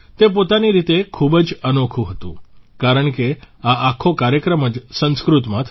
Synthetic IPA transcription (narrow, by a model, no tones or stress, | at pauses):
t̪epot̪aniɾit̪ekʰubəd͡ʒənokʰũɦət̪ṵ̃kaɾəɳke | aʔakʰokaɾjəkɾəməd͡ʒsə̃nskɾut̪mãt̪ʰ